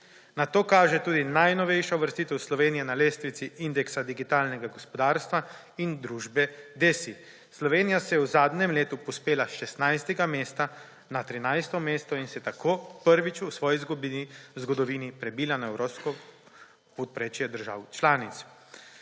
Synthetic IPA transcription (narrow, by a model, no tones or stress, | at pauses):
nat̪oːkaːʒɛt̪uːd̪inajnɔʋɛjʃaʋəɾst̪it̪ɛwslɔʋeːnijɛnaleːst̪ʋit̪siʔind̪ɛksad̪iɡit̪aːlnɛɡaɡɔspɔd̪aːɾst̪ʋa | ind̪ɾuːʒbɛd̪eːsi | slɔʋeːnijasɛjɛwzaːd̪nɛmleːt̪upɔspeːlaʃɛst̪najst̪ɛɡameːst̪a | nat̪ɾinajst̪ɔmeːst̪ɔinsɛt̪akʰoːpəɾʋit͡ʃusʋɔːjizɡbiizɡɔd̪ɔʋiːnipɾɛbiːlanɔɛwɾopskɔ | pɔt̪̚pɾeːt͡ʃjɛd̪əɾʒa̰ːwt͡ʃlaːnit̪s